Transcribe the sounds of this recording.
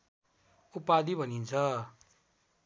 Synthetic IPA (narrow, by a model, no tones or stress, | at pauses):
upad̪ibʱʌnint͡sʰʌ